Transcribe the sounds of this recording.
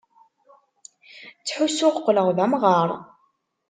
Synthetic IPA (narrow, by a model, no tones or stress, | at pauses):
t͡sːħusʊʁqːləʁðæmʁɑɾˤ